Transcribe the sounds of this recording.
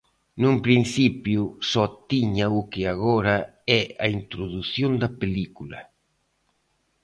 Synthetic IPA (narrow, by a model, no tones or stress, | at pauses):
numpɾinsipjusɔt̪ːiɲaukɪaɣɔɾaɛa̰int̪ɾoðuθjond̪apelikula̰